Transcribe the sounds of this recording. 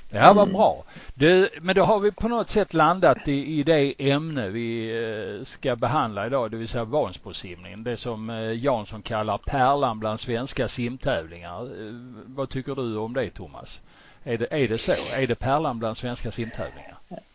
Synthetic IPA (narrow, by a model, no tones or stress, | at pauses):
d̪̥ɛhæɾvatbɾɑ̰ːd̪ɵmɛnd̪ɔɦaɾvɪpʰɔnɔt̪ːsɛt̪ːland̪at̪ɪːd̪ɛʔɛmnəvɪ | skabɛɦand̪laɪd̪ɑːd̪ɛvɪlsɛjːavɑːnsbɔsɪmnɪ̰ŋənd̪ɛsɔmjɑːnsɔnkʰalːaɾpʰæːɭanbland̪svɛnskasɪmt̪ʰɛːvlɪŋa̰ɾ | vat̪ʰʏkːəɖɵɔmd̪ɛt̪ʰʊmːa̰s | æɖɛʔæɖɛsoæɖɛpʰæːɭanbland̪svɛnskasɪmt̪ʰɛ̰ːvlɪ̰ŋa̰ɾ